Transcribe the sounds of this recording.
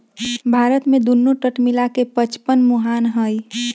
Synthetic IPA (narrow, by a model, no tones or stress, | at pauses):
bʱaːɾət̪mẽd̪unːoʈəʈmilakepət͡ʃpənmuɦaːnɦəj